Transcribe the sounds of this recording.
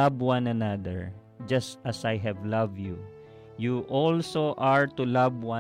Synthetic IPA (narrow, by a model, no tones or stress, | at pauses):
abwãnanad̪ə̰ɹ | d͡ʒasʔasajɦɛvlavju | juʔɔlsoʔaɹt̪ulavwã